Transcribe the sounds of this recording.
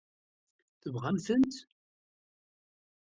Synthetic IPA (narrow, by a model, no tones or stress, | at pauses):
θəvʁamθənt̪